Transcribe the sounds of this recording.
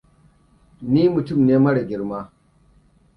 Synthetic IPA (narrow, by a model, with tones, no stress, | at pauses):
niː˦mu˨tʊ˦˨mneː˦mɐ˦ɽɐ˨ɡʲɪ˦ɾmaː˦